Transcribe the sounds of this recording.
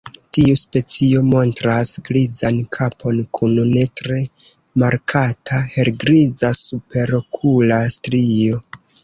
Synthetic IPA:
tiuspe̞t͡sio̞mo̞ntɾasɡɾizankʰapʰo̞nkʰunune̞tɾe̞ | maɾkʰatʰahe̞ɾɡɾizasupe̞ɾo̞kʰulastɾio̞

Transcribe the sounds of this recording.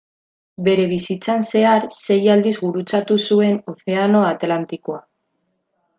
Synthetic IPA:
be̞ɾe̞β̞isit͡sanse̞aɾse̞jald̪izɣuɾut͡sat̪usue̞no̞θe̞ano̞at̪lant̪ikoa

